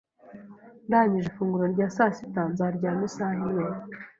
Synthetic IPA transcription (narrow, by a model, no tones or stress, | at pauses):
ndaɲiʒifuːŋɡuɾoɾɟaːsaːsi̥tanzaɾɟaːmisaːɦimɲeːna